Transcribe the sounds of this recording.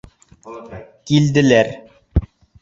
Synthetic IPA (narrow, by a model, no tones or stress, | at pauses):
kild̪ɘ̆læɾ